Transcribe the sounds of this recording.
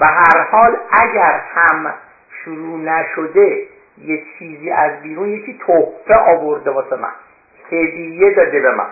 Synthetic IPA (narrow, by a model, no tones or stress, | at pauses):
beɦæɾhɒːlæɟæɾhæm | ʃuɾuːnæʃod̪e | jet͡ʃʰiːziːʔæzbiːɾunjecʰiːt̪ʰohfeʔɒːboɾd̪ebɒːsemæ̰n | pʰed̪ijed̪ɒːd̪ebemæ̰n